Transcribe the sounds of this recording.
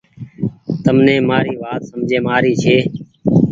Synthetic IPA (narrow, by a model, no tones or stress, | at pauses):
t̪əmnẽːmaːɾiːʋaːt̪səmd͡ʒʱeːmaːɾiːt͡ʃʰeː